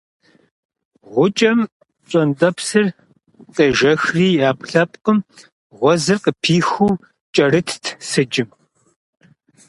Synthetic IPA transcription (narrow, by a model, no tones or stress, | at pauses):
ʁʷʊt͡ʃʼɐm | ɕʷʼɐndʼɐpsɨr | tʼɐʒɐxriːaːpɬɐpʼqəm | ʁʷɔzɨrqəpʰiːxuw | t͡ʃʼɐrɨtʰtʰsɨd͡ʒɪm